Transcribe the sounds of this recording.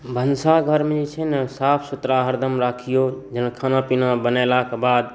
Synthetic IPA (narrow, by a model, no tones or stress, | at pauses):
bʱənsaɡʱəɾmẽd͡ʒit͡ʃʰənsaːpʰsʊt̪ɾaɦəɾd̪ʱəmɾaːkʰijod͡ʒənkʰaːnapinabənalakebaːd̪